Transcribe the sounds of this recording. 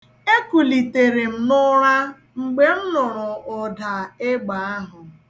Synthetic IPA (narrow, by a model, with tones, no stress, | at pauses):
e˦ku˨li˨te˨ɾe˨m̩˨nʊ˦ɾa˦ | ŋ͡m̩˨ɡ͡be˦n̩˦nʊ˨ɾʊ˨ʔʊ˨da˨e˦ɡ͡ba˨a˦ɦʊ˨